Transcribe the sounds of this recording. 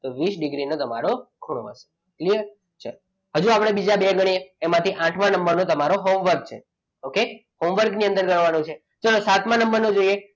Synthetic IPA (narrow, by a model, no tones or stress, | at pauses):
t̪oʋisɖiɡɾinot̪əma̰ɾokʰuɽ̃o̰ə̰se̥ | kliəɾ | t͡ʃʰe | həd͡ʒuapɽ̃ebid͡ʒabeɡəɽ̃iemãt̪ʰiʔãʈʰmãnəmbəɾnot̪əmaɾoɦomʋəɾɡ̚t͡ʃʰḛ | okehomʋəɾɡniə̃nd̪əɾɡəɳʋanõt͡ʃʰe | t͡ʃəlosat̪mãnəmbəɾnod͡ʒoije